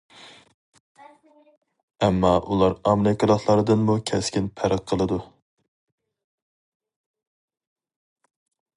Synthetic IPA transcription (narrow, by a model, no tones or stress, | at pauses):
ɛmːɑʔulˠɑɾɑmeɾɪkʲɨlˠəχlˠɑɾd̪ɨnmukʲʰɛskʲinpʰæɾəqʰːəlˠɨd̪u